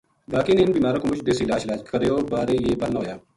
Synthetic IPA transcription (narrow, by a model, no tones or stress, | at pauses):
baːkɪnɪnbiːmaːɾoːkomʊt͡ʃʰd̪eːsiːlaːd͡ʒɪlaːd͡ʒkʰəɾejoːbaːɾejeːbəlnɦoːjaː